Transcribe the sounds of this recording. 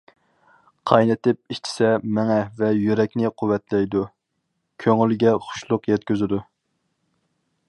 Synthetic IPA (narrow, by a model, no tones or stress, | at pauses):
qʰɑjnɨt̪ɪp̚iʃt͡ʃʰi̥sɛmɛŋɛvɛjyɾɛkʲnɪqʰʊwːɛt̪lɛjd̪u | kʲʰøŋylɡʲɛχʊ̥ʃlˠʊqjɛt̪kʲyzyd̪u